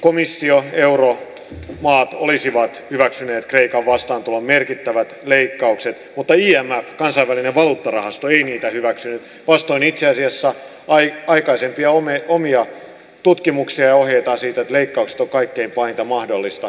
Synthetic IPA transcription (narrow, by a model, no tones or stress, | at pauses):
komisːioeuro | mɑːt̪olisiʋɑt̪hyʋæksyneːt̪kreikɑʋʋɑst̪ɑːnt̪ulommerkit̪ːæʋæt̪leikːɑukset̪mut̪ːɑiːæmːæfkɑnsɑiʋʋælineʋʋɑluːt̪ːɑrɑhɑst̪oeiniːt̪æhyʋæksynyt̪ | ʋɑst̪oinit̪seɑsiɑsːɑ | ɑiɑikɑisempiɑomeomiɑ | t̪ut̪kimuksiɑjɑoɦjeit̪ɑsiːt̪et̪leikːɑukse̥t̪oŋkɑikːeimpɑint̪ɑmɑhdolːist̪ɑ